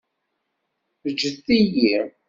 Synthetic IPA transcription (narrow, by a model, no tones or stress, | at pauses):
əd͡ʒːəθːiji